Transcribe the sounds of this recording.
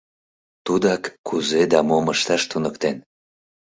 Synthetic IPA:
t̪ud̪ɑkːuzed̪ɑmoməʃt̪ɑʃt̪unəkt̪en

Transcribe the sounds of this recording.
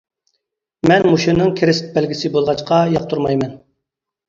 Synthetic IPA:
mɛnmuʃɪnːɨŋkʲʰeɾɪst̪̚bɛlɡʲisɪbolˠʁɑt͡ʃqʰɑjɑq̚t̪ʰuɾmɑjmɛn

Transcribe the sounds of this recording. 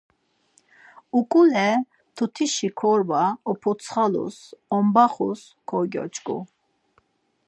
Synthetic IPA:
ukʼulɛ | t̪ʰut̪ʰiʃikʰɔɾbaɔpʰɔsʰχalṵsɔmbaχṵs | kʰɔɡʲɔ̰t͡ʃʼkʼṵ

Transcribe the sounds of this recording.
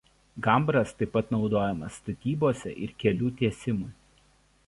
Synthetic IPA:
ɡɐˑmbɾɐst̪ɐɪpːɐt̪nɒʊd̪oːjɛmɐsːt̪ɐt̪ʲiːboːsʲɛ̰ʔɪ̰ɾkʲɛlʲuːt̪ʲiɛsʲɪmuˑ

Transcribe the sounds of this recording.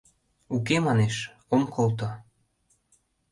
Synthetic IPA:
ukemɑneʃ | omkʰolt̪o

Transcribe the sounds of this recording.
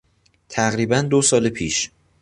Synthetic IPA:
t̪ʰæɣɾiːbænd̪osɒːlepʰiːʃ

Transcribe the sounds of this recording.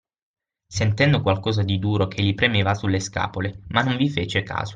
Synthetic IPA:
sent̪ɛnd̪okwalkɔːzad̪id̪uːɾokʰelːipɾemeːvasulːeska̰ːpolemanːoɱvifeːt͡ʃeka̰ːzo̥

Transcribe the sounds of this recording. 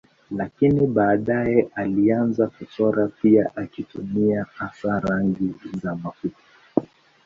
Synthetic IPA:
lakiniɓaːɗajɛʔalianzakɔtɔɾapiaʔakitumiahasaɾaŋɡizamafutḁ

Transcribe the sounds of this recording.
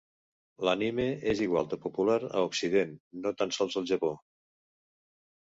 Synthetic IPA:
lanimeeziɣwa̰lˠd̪əpupulaɾə̰uksiðenːot̪ansɔlˠzəlˠʒəpo

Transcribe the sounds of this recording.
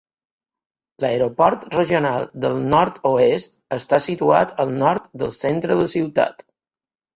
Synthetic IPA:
ləɾopɔɾt̪rəʒionalˠd̪əlˠnɔɾt̪oest̪əst̪asit̪ua̰t̪əlˠnɔɾt̪d̪ə̰lˠsent̪ɾəðəsiwt̪a̰t̪

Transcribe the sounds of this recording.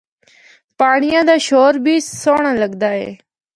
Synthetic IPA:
paːɳɪjãːd̪aːʃoːɾbʱiːsoːɳãːləɡd̪aːɦḛː

